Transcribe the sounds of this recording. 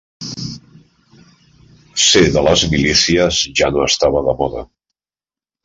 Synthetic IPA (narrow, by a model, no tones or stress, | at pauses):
seðələzmilisiəzʒanoəst̪aβəðəmɔðə̰